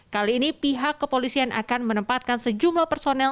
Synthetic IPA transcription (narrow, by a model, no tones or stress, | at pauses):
kaliːnipiɦakːəpolisianʔa̰kanmənəmpat̪̚kansəd͡ʒumlahpərsonɛ